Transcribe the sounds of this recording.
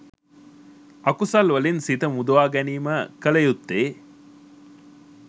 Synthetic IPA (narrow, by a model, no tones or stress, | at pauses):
ʔɐkusɐlʋɐlinsit̪ɐmud̪uʋaːɡæniːmɐkɐlɐjut̪ːeː